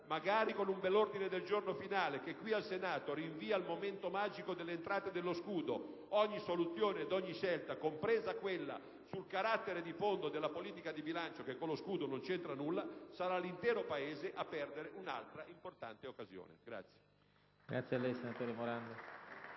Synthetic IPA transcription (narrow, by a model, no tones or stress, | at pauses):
maɡaːɾikonumbɛlːord̪ined̪eld͡ʒornofinaːlek̟ekːwialsenaːt̪oɾiɱviːaːlmoment̪omad͡ʒikod̪elːeːnt̪ɾaːt̪ed̪elːoskuːd̪o | ɔɲːisolut̪sjoːneːd̪ɔɲːiʃɛlt̪akompɾeːzakwelːa̰ | sulkaɾat̪ːeɾed̪ifond̪od̪elːapoliːt̪ikad̪ibilant͡ʃokekːolːoskuːd̪onont͡ʃɛnt̪ɾanulːasaɾalːint̪ɛːɾopaeːzeʔapːɛrd̪eɾeʔuna̰lt̪ɾaʔimport̪a̰nt̪eokːazjo̰ːnḛɡ̥ɾa̰t̪sːje̥ | ɡ̥ɾat̪sjalːɛjsenat̪oːɾemoɾand̪o